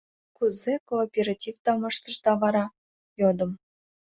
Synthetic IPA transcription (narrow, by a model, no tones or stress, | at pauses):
kuzekoːpʲeɾɑtʲivt̪ɑmɤʃt̪ə̆ʃt̪ɑvɑɾɑ | jod̪ə̆m